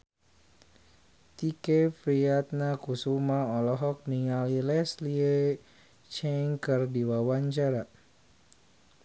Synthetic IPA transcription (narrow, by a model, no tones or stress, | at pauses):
t̪ikefɾiat̪̚nakusumaɔlɔɦɔk̚niŋalilɛslie | t͡ʃɛŋkərdiwawaɲt͡ʃaɾa